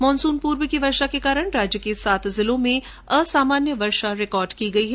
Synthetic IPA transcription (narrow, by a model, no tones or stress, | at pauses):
mɔːnsuːnpuːɾwəkiʋɐɾʃakekaːɾəɽ̃ɾaːd͡ʒjəkesaːt̪ʰzɪlõmẽ | ɐsaːmaːnjəʋɐɾʃaɾɪkɔːɾɖkiɡɐiɦɛ